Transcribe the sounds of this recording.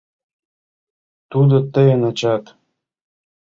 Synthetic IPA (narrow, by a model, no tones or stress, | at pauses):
t̪ud̪ɤ̆t̪ə̆jənɑt͡ɕɑt̪